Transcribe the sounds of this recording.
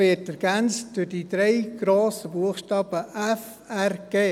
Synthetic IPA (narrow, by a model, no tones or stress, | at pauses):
ʋɪːtɛɾɡ̥ænt͡std̥ʊd̥id̥̪ɾeɪɡ̥ɾoːsəbuəxʃtɑːb̥əʔɛf | ærɡ̥eː